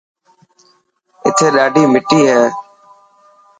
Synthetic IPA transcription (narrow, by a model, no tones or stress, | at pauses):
ɪ̰t̪ʰeːɗaːɖiːmɪʈiːɦɛː